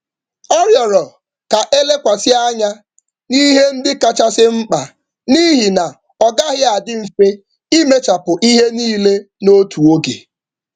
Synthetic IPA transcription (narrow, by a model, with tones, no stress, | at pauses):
ɔ˦ɾjɔ˨ɾɔ˨ | ka˨ʔe˦le˦kʷa˨sɪ˦a˦ɲa˦ | ni˦ɦe˦n̩˦dɪ˦ka˦t͡ʃa˦sɪ˦ŋ͡m̩˦k͡pa˨ | ni˦ɦi˨na˨ | ɔ˨ɡa˦ɦɪ˦a˨dɪ˦m̩˨fe˦ | i˦me˦t͡ʃa˨pʊ˨ʔi˦ɦe˦niː˦le˦ | no˦tu˨o˦ɡḛ˨